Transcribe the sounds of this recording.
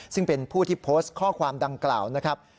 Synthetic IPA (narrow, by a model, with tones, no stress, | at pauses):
sɯ˥˩ŋpe˧npʰuː˥˩t̪ʰiː˥˩pʰoː˦˥st̪kʰɔː˥˩kʰwaː˧mda˧ŋkla̰ː˨˩wna˦˥kʰɾa˦˥p̚